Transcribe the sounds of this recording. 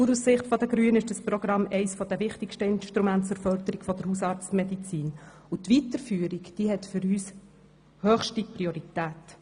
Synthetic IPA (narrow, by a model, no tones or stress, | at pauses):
uɾussɪχtfɔd̪əɡɾyənɪʃd̥əsprɔɡ̥ɾɑmːɛɪsfɔd̪ɛʋɪχtɪkʃtəɪnʃtɾumæntt͡suɾfœld̪əɾiɡ̥fɔd̪əɾhusɑːɾt͡stmɛd̪it͡siːn | ut̪ʋit̪əɾfyːəɾikd̪̥iɦɛt̪fʏɾyːs | hœːχʃtipriɔɾit̪æːt